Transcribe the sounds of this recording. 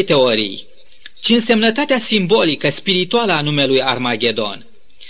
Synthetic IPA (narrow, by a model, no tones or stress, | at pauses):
jt̪e̞o̞ɾḭj | t͡ʃinse̞mnət̪at̪easimbo̞likəspiɾit̪ualəanumelujarmaɡʲe̞d̪o̞̰n